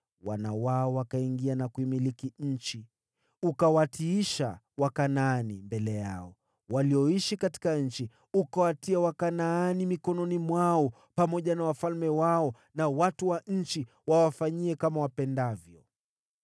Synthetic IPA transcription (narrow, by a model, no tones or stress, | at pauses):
wanawaɔwakaiŋɡianakuimilikiɲ̩t͡ʃi | ukawatiiʃa̰ | wakanaːnimbɛlɛja̰ɔ | waliɔiʃikati̥kaɲ̩t͡ʃi | ukawatiawakanaːnimikɔnɔnimwaɔ | pamɔʄanawafalmɛwaɔ | nawatuwaɲ̩t͡ʃi | wawafaɲiɛkamawapɛndavjɔ